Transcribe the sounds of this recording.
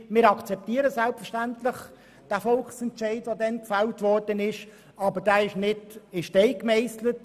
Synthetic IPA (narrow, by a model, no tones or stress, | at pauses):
mɪːɾɑkt͡sɛp̚tiːɾəsɛlpfəʃtæntlɪχ | d̥æːfɔlksɛntt͡ʃɛɪdʋodɛnkfɛltvɔɾdənɪʃ | ɑbəd̥æːɪʃnɪdɪʃtɛɪkmɛɪslət